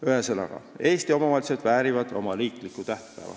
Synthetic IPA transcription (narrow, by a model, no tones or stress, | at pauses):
yheselɑ̰ɡ̥ɑ̰e̞ːst̪io̞mɑmɑlt̪sed̪̥væːɾivɑd̪̥o̞̰mɑliːkˑlikːˑut̪æht̪pæ̰ːvɑ̰